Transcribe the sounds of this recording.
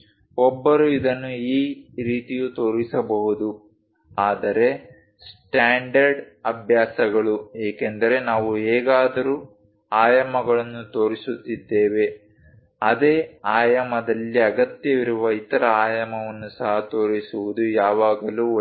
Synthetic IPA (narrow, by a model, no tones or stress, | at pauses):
ɔbːɐɾuid̪ɐnːuiːɾiːt̪ijut̪o̞ːɾisɐbɐɦud̪u | aːd̪ɐɾe̞ | sʈaːɳɖɐɾɖ | ɐbʱjaːsɐɡɐɭueːkend̪ɐɾe̞naːʋuɛːɡaːd̪ɐɾuː | aːjɐmɐɡɐɭɐnːut̪o̞ːɾisut̪ːid̪ːeːʋe̞ | ɐd̪eːaːjɐmɐd̪ɐlːiɐɡɐt̪jɐʋiɾuʋɐit̪ɐɾɐaːjɐmɐʋɐnːusɐɦɐt̪o̞ːɾisuʋud̪ujaːʋaːɡɐluː